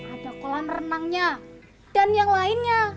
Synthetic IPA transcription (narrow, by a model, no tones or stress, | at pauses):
ʔadakolamrənaŋɲa | d̥anjaŋlaɪnɲa